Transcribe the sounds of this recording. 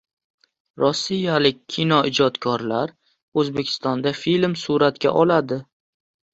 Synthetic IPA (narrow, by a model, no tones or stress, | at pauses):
ɾɒsːijalɪk̚ʲʰːɪnɒɪd͡ʒɒt̪kʰɒɾlaɾ | ɵzbe̞kʲʰɪ̥st̪ɒnd̪afilmsuɾat̪kʲa̰ʔɒlad̪ɪ